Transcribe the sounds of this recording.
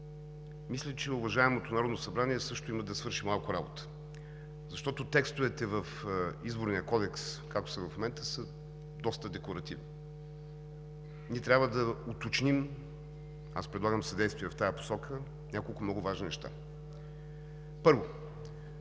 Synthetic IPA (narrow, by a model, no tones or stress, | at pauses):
mislʲət͡ʃɛʊvɐʒaɛmot̪onɐɾɔd̪nosɐbɾaniɛsɤʃt̪oiməd̪ɐsvɤɾʃimlˠalˠkoɾabo̰t̪ə̥ | zɐʃt̪ɔt̪ot̪ɛkst̪ʊvɛt̪ɛvəfizboɾnijəkɔd̪ɛkskak̚t̪o̥sɐvɐfmomɛnt̪əsə | d̪ɔst̪əd̪ɛkoɾɐt̪ivni | niɛt̪ɾʲabvəd̪ɐot̪ot͡ʃnim | a̰spɾɛd̪lˠaɡəmsɐd̪ɛjst̪vʲiɛvɐft̪ajəpo̥sɔkʰə | nʲʔakolˠkʊmnɔɡʊvaʒninɛʃt̪a̰ | pɤɾvo